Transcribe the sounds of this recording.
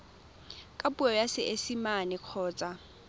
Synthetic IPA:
kʼapʼuɔjasɪʔesimanɪq͡χʰɔːt͡sʼa

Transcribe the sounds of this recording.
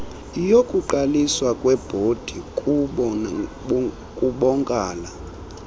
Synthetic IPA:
ijokʼuǃaliswakʼwɛb̥ʱod̥ʱikʼuɓɔ | kʼuɓɔŋkʼaːla

